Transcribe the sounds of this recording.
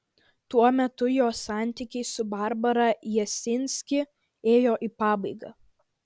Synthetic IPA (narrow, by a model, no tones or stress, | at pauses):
t̪uɔmʲɛt̪ʊjoːsɑˑnʲt̪ʲiːˑkʲɛɪsʊbɑˑɾbɐɾɐjɛsʲɪnʲsʲkʲɪ | eːjoːʔiːpɑːbɐɪɡɑ̰ː